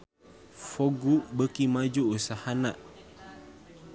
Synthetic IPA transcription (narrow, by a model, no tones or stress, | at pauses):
foɡuʔbəkimad͡ʒuʔːsahanaʔ